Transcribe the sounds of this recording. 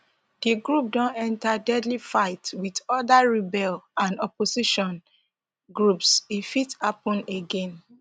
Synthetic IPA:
diɡɹup̚dɔ̃nɛ̃ntadɛdlifaɪtwidɔdaɹibɛlãnɔposiʃɔ̃n | ɡɹupsifitapɔ̃neɡɛ̃n

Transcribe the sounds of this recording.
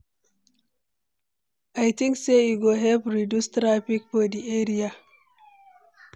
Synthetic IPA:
ʔajt̪ĩŋkseiɡoɦɛlpɾidustɾapik̚podiʔeɾia

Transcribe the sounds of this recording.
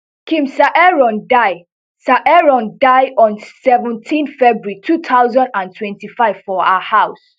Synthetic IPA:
kʰĩmsaʔɛɹɔ̃ndaɪ | saʔɛɹɔ̃ndaɪɔ̃nsɛvɛ̃ntʰĩnθfɛbɹitʰut̪ʰaʊzãndãntʰwɛ̃ntifaɪv̥fɔa̰ahaʊs

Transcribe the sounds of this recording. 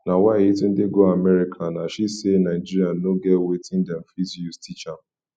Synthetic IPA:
nawaitun̩dɪɡoamɛɾikʰanaʃisenaɪd͡ʒiɾianoɡɛwetɪ̃ndɛm̩fizjustʰit͡ʃa

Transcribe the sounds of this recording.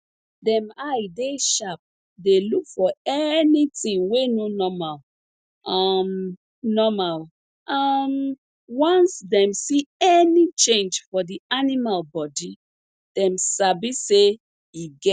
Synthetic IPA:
dɛ̃majdeʃap̚ | delukfɔɛnitĩŋwenonɔmal | am | nɔmal | am | wɔ̃nsdɛ̃msiɛnit͡ʃẽnd͡ʒfɔdianimalbɔdi | d̥ɛ̃msabise | iɡɛ

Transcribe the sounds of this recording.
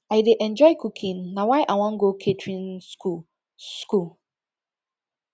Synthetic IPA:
aɪdeʔɛ̃nd͡ʒɔɪkukʰĩnːawaɪʔawɔ̃ŋ̩ɡokʰetʰɹĩn | skul

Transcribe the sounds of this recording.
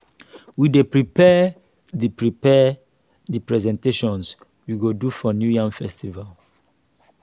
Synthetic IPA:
widepɹipɛ | dipɹipɛ | dipɹɛzɛ̃nteʃɔ̃ns | wiɡodufɔnjujãŋfɛstival

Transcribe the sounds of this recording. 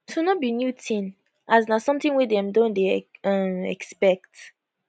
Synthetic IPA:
tʰunɔt̚binjutʰĩn | aznasɔ̃mtĩŋwidɛ̃mdõndeʌ̃mɛ̰kspɛk̚t

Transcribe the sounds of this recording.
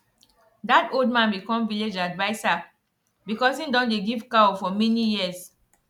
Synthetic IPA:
datoldmãnbikɔ̃mviled͡ʒadvaɪsa | bikɔsĩndɔ̃ndeɡivkaɔfɔmɛnijiəs

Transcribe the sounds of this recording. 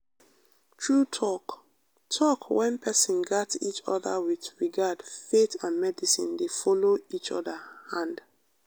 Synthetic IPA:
tʰɹutʰɔk | tʰɔkwɛ̃npʰɛsĩnɡatit͡ʃɔ̰ða̰wiθɹiɡadfetãnmɛdisḭ̃ndefɔloit͡ʃɔ̰dahãnd

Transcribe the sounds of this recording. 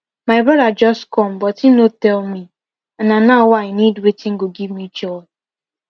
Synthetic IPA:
maɪbɔdad͡ʒɔskɔm̩bɔtinotɛlmi | ananawaɪnidwetɪ̃ŋ̩ɡoɡivmit͡ʃɔɔ

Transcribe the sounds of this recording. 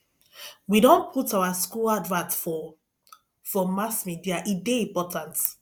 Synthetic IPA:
widõnpʰutawaskuladvãtfɔ | fɔmasmidiaʔideĩmpɔtʰãnt

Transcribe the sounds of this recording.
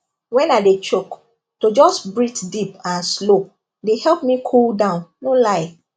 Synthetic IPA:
wɛ̃naɪdet͡ʃok | tod͡ʒɔsbɹitdipãnslo | dehɛlp̚mikʰuldãʊ̃nnolaɪ

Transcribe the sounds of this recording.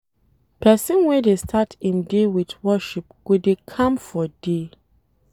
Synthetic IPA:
pʰɛsĩnwɛdestʰatʰĩndewitwɔʃip̚ɡ̥odekʰãmfɔde

